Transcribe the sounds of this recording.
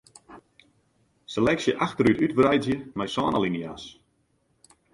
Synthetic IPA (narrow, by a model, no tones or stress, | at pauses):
səlɛksjəʔaxtəɾytytbrɛjdzjəmɛjsaːnalinjas